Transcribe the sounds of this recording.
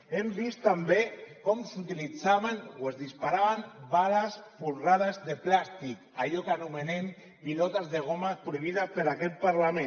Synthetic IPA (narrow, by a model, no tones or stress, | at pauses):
embist̪ambekɔmsut̪ilid͡zaβanwezðispaɾaβambalasfulraðazðeplast̪ikaʎɔkanumenem | pilɔt̪azðeɣ̞omapɾoiβ̞iðapeɾakɛt̪̚paɾlamẽn